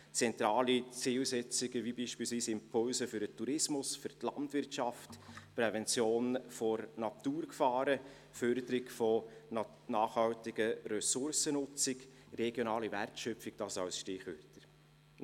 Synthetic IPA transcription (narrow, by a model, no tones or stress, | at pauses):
t͡sɛnt̪ɾɑːlit͡siːlsɛt͡sɪɡəʋibiːʃpiːlsʋiːsɪmpʰɔlsəfyɾətʰuɾɪsmʊsfyɾtlɑ̰ntvɪrtɑftpɾɛvɛnt͡sjoːnfɔɾnɑt̪uːɾkfɑːɾə | fœɾd̪əɾɪkfɔ | nɑːχhɑltɪɡəɾœsʊɾsənʊt͡sɪk | ɾɛɡjonɑːliværtʃœpfɪk̚d̥ɑsɑʊsʃtɪχʋøtəɾ